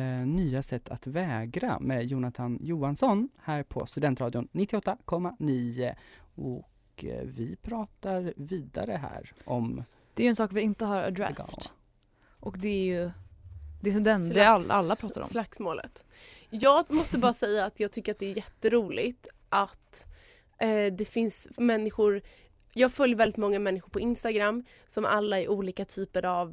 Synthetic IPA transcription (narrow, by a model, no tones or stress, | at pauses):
nyːasɛt̪ːa̰t̪vɛːɡɾa̰mɛjuːnat̪ʰanjuːansɔnhæːɾpʰɔ̰st̪ɵd̪ɛnt̪ɾɑːd̪ɪʊnnːɪt̪ːɪɔt̪ːakʰɔmːaniːəɔk | vɪpʰɾɑːt̪aɾviːd̪a̰ɾəɦæ̰ːɾʔɔm | d̪̥ɛæjɛnsɑːkvɪɪnt̪əɦaɾa̰d̪ɾɛ̰st̪ | ʔɔkd̪ɛæɾjɵ | d̪ɛsɔmd̪ɛd̪ɛaa̰lːappɾɑːt̪aɾɔ̰mslaksmo̰ːlə̰t̪ | jɑːɡmɔst̪əbɑːɾasɛjːaːt̪jɑːɡt̪ʰʏkːəɾat̪̚d̪ɛːɾjɛt̪ːəɾuːlɪɡt̪ | ʔat̪ | d̪ɛfɪnsmɛnːɪɧʊɾ | jɑːɡfœljəɾvɛld̪ɪt̪mɔŋːamɛnːɪɧʊɾpʰɔɪnst̪aɡɾamː | sɔmʔa̰lːaæɾʔuːliːkat̪ʰyːpəɾav